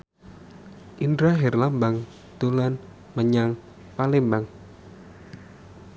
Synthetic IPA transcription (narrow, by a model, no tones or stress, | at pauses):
ʔindɾaɦɛrlambaŋ | d̪̥olan | məɲaŋ | palɛmbaŋ